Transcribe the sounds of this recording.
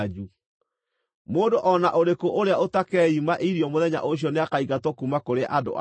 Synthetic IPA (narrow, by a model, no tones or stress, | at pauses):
d͡ʒu | moːdoʔɔnaʔoɾekoʔoɾeaotakɛimaʔiɾjɔmoðɛɲa̰ʔoɕ̬jɔneakaiɣatɔkumakoɾeʔado̰ʔa̰